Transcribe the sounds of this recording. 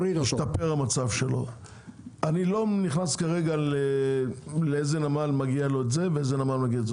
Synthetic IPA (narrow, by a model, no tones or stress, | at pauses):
iiʃt̪apeʁamat͡savʃe̞lo̞ | anilo̞niχnaskaʁe̞ɡale | leezenamalmaɡialo̞etze̞veezenamalmaɡiaez